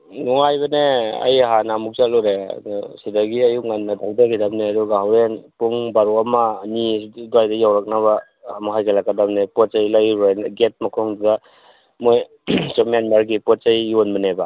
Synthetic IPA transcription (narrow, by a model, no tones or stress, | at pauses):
nuŋajbɐneɐ̰jɦanamuk̚zalɔɾesidaɡiajuŋanːadaldaɡidamneaduɡaɦawɾenpuŋbaɾuamaniduajdajawɾak̚naβaː | muɦajkʰalakadamnepɔt̚sajlajɾojnɡet̚makʰɔŋduda | moj | sɔmanmaɾɡipɔt̚t͡ʃajonmaneba